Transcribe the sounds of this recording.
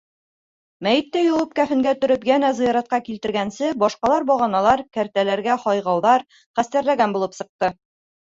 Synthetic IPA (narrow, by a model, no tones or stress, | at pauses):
mæjɘ̆t̪ːæjɒwɤp̚kæfɘ̆ŋɡæt̪ɵ̆ɾɵpjænæzɤ̆jɑɾɑt̪̚qɑkilt̪ɘ̆ɾɡænsɘbɒʃqɑlˠɑɾbɒʁɑnɑlˠɑɾkæɾt̪ælæɾɡæhɒjʁɑwðɑɾ | χæst̪æɾlæɡænbulˠɤpsɤ̆q̚t̪ɤ